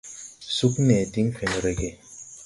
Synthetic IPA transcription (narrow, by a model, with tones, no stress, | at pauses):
su˦knɛ˨di˦ŋ˦kʰe˨n˨ɾe˨ɡe˦